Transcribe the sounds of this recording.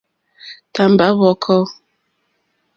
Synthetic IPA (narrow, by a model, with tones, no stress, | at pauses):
ta˨m̩˨ba˨˦βɔ˨˦kʰɔ˦